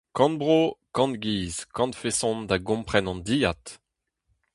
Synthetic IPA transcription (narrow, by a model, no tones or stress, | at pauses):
kɑ̃nbʁokɑ̃nt̪̚ɡiːzkɑ̃nt̪fesɔ̃nd̪aɡɔ̃mpχɛnɑ̃nd̪iːjat̪